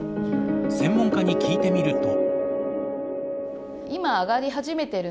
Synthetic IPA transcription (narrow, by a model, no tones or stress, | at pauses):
sẽ̞mːõ̞ŋkaɲ̟ikʲʰiːt̪e̞mʲiɾɯ̟t̪o̞ | imaːɡaɾʲiɦaʑime̞t̪eɾɯ